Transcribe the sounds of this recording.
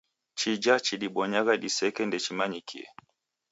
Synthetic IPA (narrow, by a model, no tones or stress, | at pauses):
t͡ʃid͡ʒat͡ʃiɗiɓɔɲaɣaɗisɛkɛndɛt͡ʃimaɲikʰḭɛ̰